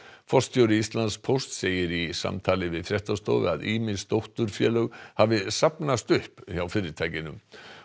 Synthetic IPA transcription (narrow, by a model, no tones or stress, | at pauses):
fɔst̪ʰjowɾɪist̪lanspʰowst̪seːjɪɾisa̰mt̪ʰaːlɪvɪðfɾjɛht̪ast̪ɔ̰ːɣ̰a̰ðiːmɪsd̪owht̪ʏɾfjœːlœɣhavɪsapnast̪ʏhpçawfɪːɾɪɾt̪ʰajcɪnʏm